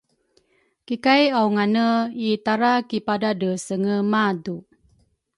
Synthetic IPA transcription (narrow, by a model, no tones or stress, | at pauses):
kikajawŋanəit̪aɾakipadadəsəŋəmadu